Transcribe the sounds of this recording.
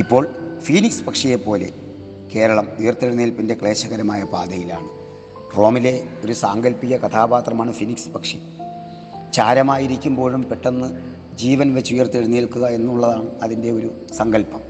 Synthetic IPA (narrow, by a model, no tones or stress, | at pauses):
ipːo̞ːɭfiːnikspɐkʂɐje̞pːo̞ːle̞ | ke̞ːɾɐɭɐmujɐrt̪ːeɽunːeːlpinde̞kɭe̞ːɕɐɣɐɾɐmaːjɐpaːd̪ɐjila̰ːɳɨ | ro̞ːmile̞o̞ɾusaːŋɡɐlpiɣʲɐkɐt̪ʰaːbaːt̪rɐmaːɳɨfinikspɐkʂi | t͡ɕaːɾɐmaːjiɾikʲːumbo̞ːɻumpe̞ʈːenːɨ | d͡ʑiːʋɐnʋet͡ɕːujɐrt̪ːeɽunːiːlkuɣɐe̞nːuɭːɐðaːɳɨɐðinde̞o̞ɾu | sɐŋɡɐlpɐm